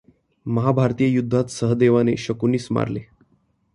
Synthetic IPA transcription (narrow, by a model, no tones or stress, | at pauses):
məɦabʱaɾt̪ijəjud̪ʱːat̪səɦəd̪eʋaneɕəkuniːsma̰ɾle